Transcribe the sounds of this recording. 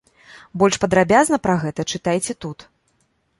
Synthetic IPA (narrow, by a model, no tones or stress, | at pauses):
bɔlʲʂpɐd̪ɾabʲaznɐpɾɐɣɛt̪ɐt͡ʂɨt̪ajt͡sʲɛt̪ut̪